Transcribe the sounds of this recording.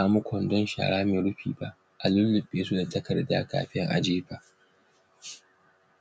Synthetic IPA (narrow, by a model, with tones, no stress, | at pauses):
aː˨mʊ˦kʷʰɔ˨ndɔ˦nʃa̰ː˨ɽaː˦meː˨ɽʊ˦ɸiː˨ba˦ʔ | ʔa˨lʊ˦lːʊ˨ɓʼeː˦su˦da˨tɐ˦kɐ˨rda̰ː˦ka̰ː˨ɸɪ˦ŋʔa̰˨d͡ʒeː˦baː˨ʔ